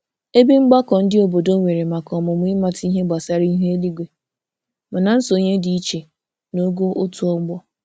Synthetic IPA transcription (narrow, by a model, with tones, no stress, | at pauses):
e˦bi˦ŋ͡m̩˦ɡ͡ba˦kɔ˨n̩˦dɪ˦o˨bo˨do˦ŋʷe˨ɾe˨ma˨kɔ˨mʊ˨m˦i˦ma˨ti˦ɦe˦ɡ͡ba˨sa˦ɾi˦ɦe˦e˦li˦ɡʷe˨ | ma˨na˨n̩˦so˨ɲe˦di˨i˦t͡ʃe˨ | no˦ɡo˦ʔo˦tu˨˦ɔ˦ɡ͡bɔ˦